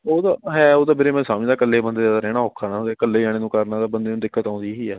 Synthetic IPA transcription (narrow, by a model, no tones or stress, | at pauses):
oːd̪aːɦɛːoːt̪aːbɪɾeːmɛ̃ːsaːmːd̪aːkəlːeːbənd̪eːjaːd̪aːɾɛːɽaːɦoːkʰːaːnãːod̪eːkəlːeːd͡ʒaːɽ̃eːnũːkəɾnaːt̪aːbənd̪eːnũːd̪ɪkːət̪ãːnd̪iːɦiːɛː